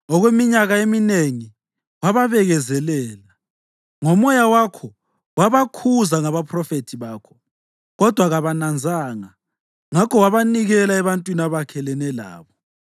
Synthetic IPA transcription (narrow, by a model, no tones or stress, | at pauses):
ɔɣwemiɲaɣaemineŋi | waβaβɛɣɛzɛlɛːla | ŋɔmɔjawakʰɔ | waβakʰuzaŋaβapʰrɔfetʰiβaːkʰɔ̥ | ɣɔd̥ʱwaɣaβanand͡zʱaːŋa | ŋakʰɔwaβaniɣɛlaɛβantʼwinaβakʰɛlɛnɛla̰ːβɔ